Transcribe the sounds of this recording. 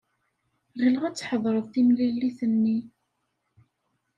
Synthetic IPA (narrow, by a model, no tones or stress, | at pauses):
ʁilʁæt͡sːħəðˤɾˤəðˤθimlilːiθənːi